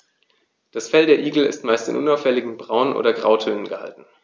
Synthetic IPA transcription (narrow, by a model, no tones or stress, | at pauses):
d̥asfɛldeːɐʔiːɡl̩ɪ̰stmaɪstɪ̰nʔʊnaʊfɛlɪɡŋ̩bʁaʊnʔo̰ːdɐɡʁa̰ʊtʰøːnənɡəha̰ltn̩